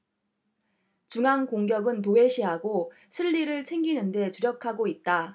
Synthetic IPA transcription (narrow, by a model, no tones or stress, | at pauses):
t͡ɕuŋaŋkoŋɡjʌɡɯnt̬owe̞ɕʰiɦaɡo | ɕʰiʎːiɾɯɭt͡ɕʰe̞ŋɡinɯnde̞t͡ɕuɾjʌkʰaɡoit̚t͈a